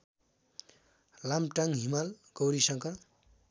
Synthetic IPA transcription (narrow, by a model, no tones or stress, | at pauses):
lamʈaŋɦimalɡ̥ʌwɾisʌŋkʌ